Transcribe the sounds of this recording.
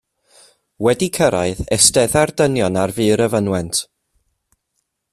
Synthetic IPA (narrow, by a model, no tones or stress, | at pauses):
wɛdikʰəɾa̰ɨðɛstɛðardənjɔnarvɨːɾəvənwɛntʰ